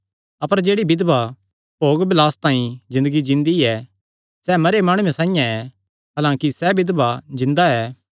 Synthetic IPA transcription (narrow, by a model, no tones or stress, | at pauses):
ɐpəɾd͡ʒeːɽibɪd̪ba | poːɡbɪlaːst̪ãːĩzɪ̃nd̪əɡid͡ʒɪ̃nd̪iɛ | sɛmɐɾemaːɽ̃uẽsãːĩjãɛ | ɦɐːlãːkisɛbɪd̪bad͡ʒɪ̃nd̪aɛː